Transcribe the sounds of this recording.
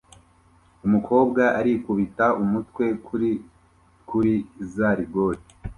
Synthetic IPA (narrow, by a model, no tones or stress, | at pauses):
umukʰo̞ːbɡaʔaɾikuβitaumutwe̞ | kuɾizaɾiɡo̞ɾi